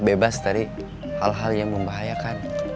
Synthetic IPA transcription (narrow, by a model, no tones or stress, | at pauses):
bebast̪aɾi | halɦaljaŋməmbaɦajakan